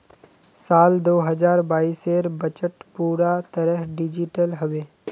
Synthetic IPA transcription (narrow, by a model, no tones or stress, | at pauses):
saːld̪oːɦɐzaːɾbaːiːseːɾbət͡ʃəʈpuːɾat̪əɾəɦɖɪd͡ʒɪʈəlɦɐʋeː